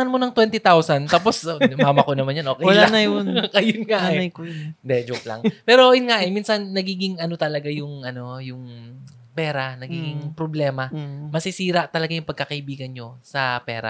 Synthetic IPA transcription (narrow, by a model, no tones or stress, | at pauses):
ɐnmonɐŋt̪wɛnt̪ɪt̪awsɐnt̪aːpo̞smamɐkonɐmanjonʔokɐɐlanɐjonkɐjʊnŋaɛɐjkojnd̪ɛd͡ʒoklɐ̰ŋpɛːɾo̞jʊnŋaʔɛminsɐnːɐɡiːɡɪŋʔɐnot̪ɐlɐɡajʊŋʔɐno̞jʊŋ | pɛːɾɐnɐɡiɡɪŋpɾoblɛːmɐmɐsɪsiːɾɐʔt̪ɐlɐɡajʊŋpɐɡ̚kɐkɐʔɪbiːɡɐnɲo̞sɐpɛ̰ːɾɐ̰